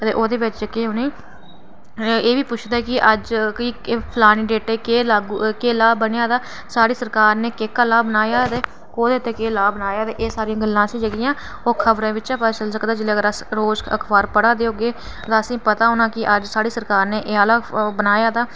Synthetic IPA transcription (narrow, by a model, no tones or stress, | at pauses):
t̪eːʔoːd̪eːʋɪt͡ʃd͡ʒəkeːɦʊneː | eːʋiːpʊt͡ʃʰd̪aːkɪʔəd͡ʒkiːpʰlaːniːɖeːʈeːkeːlaɡkeːlaːbənjaːt̪aː | saːɾiːsəɾkaːɾneːkeːkaːlaːbənaːjaːt̪eː | koːd̪eːt̪ːeːkeːlaːbənaːjaːt̪eːʔeːsaːɾijãːɡəlːãːəsĩːd͡ʒəɡijãː | oːkʰəbɾẽːʋɪt͡ʃaːpaːt͡ʃəlsəkd̪aːd͡ʒɪleːəɡəɾəsɾoːzə̰kʰbaːɾpəɽaːd̪eːɦoːɡeː | t̪ãːəsĩːpət̪aːɦoːnãːkɪʔəd͡ʒsaːɽiːsəɾkaːɾneːʔeaːlaːbənaːjaːt̪aː